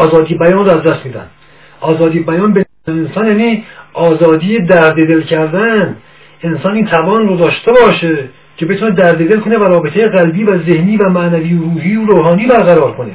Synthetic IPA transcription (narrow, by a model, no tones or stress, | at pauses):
ɒːzɒːd̪iːebæjɒːnroæzd̪æst̪miːd̪æ̰nd̪ | ʔɒːzɒːd̪iːebæjɒːnbe | ensɒːnjæːniːʔɒːzɒːd̪iːjed̪æɾd̪ed̪elcʰæɾd̪ænd̪ | ensɒːniːnt̪ʰævɒːnrod̪ɒːʃt̪ebɒːʃe | cʰe̞be̞t̪ʰuːned̪æɾd̪ed̪e̞lkʰonevæɾɒːbet̪ʰejeɣælbiːvæzehniːvæmæʔnæviːoɾuːɦiːoɾoːɦɒːniːbæɾɣæɾɒːɾkʰone